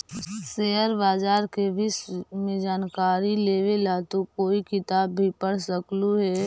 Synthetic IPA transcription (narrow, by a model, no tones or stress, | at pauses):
seːəɾbaːd͡ʒaːɾkebʱismẽd͡ʒaːnkaːɾileːʋelat̪okoːikɪt̪aːbːʱipəɽ̤səkluɦɛː